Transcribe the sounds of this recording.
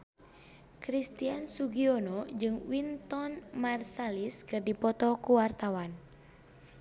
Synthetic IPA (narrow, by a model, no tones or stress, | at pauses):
kɾist̪iansuɡiɔnɔd͡ʒɨŋwint̪ɔnmarsaliskɨrdipɔt̪ɔkuwart̪awan